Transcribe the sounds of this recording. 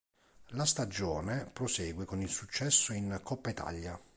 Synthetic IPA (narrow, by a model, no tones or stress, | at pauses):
last̪ad͡ʒɔːnepɾosɛːɡwekonilsut͡ʃːɛsːoinkɔpːaet̪ʰa̰ʎːa